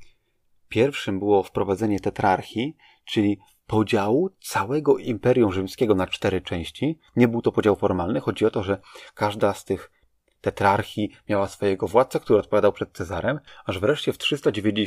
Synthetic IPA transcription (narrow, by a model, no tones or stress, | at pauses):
pʲjɛɾfʂɘmbɘwɔfpɾɔvad̪zɛɲɛt̪ɛt̪ɾaɾxʲi | t͡ʂɘlʲi | pɔd͡ʑawut̪sawɛɡɔʔimpɛɾʲjũw̃ʐɘmskʲɛɡɔnat͡ʂt̪ɛɾɘt͡ʂɛ̃w̃ɕt͡ɕi | ɲɛbɘwt̪ɔpɔd͡ʑawfɔɾmalnɘxɔd͡ʑiɔt̪ɔʐɛkaʐd̪ast̪ɘx | t̪ɛt̪ɾaɾxʲimʲjawasfɔjɛɡɔvwat̪sɛkt̪uɾɘɔt̪̚pɔvʲjad̪awpʂɛt̪̚t̪sɛzaɾɛmaʐvɾɛʂt͡ɕɛftʂɘst̪ad͡ʑevʲjed͡ʑ